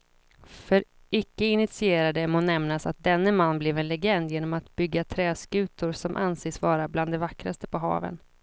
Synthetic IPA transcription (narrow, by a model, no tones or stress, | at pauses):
fœɾ | ʔɪkːəɪnɪt̪sɪeːɾad̪əmonɛmnasa̰t̪̚d̪ɛnːəmanːblɛvɛnlɛɡɛnd̪jeːnɔmat̪bʏɡːat̪ʰɾɛːskʉ̟ːt̪ʊɾsɔmʔa̰nseːsvɑːɾabland̪ɛvakɾa̰st̪ə̥pʰɔɦɑ̰ːvə̰n